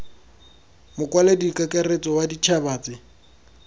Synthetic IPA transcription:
mʊkʼwaledikʼakʼaret͡sʼɔwadit͡ʃʰabaːt͡sɪ

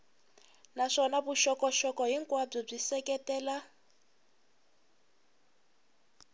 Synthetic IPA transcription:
naʂɔnaβuʃɔkɔʃɔkɔɦiŋkʼwab͡ʐɔb͡ʐisɛkɛtɛːla

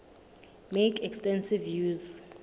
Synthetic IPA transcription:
mekʰɛkstʼɛnsivjuz

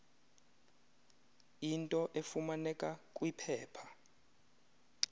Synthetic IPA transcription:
intʼɔʔefumanɛkʼakʼwipʰɛːpʰḁ

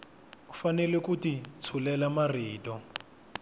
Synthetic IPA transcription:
ufanɛlɛkutit͡sʰulɛlamariːtɔ

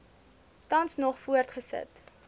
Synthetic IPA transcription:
tɐnsnɔχfuərtχəsə̰t

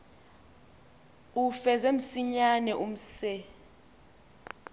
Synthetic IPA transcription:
ufɛzɛm̩siɲanɛʔum̩sɛ

